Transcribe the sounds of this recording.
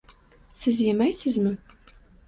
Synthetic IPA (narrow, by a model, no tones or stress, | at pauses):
sɘzjemæjsɘ̆zmɘ̆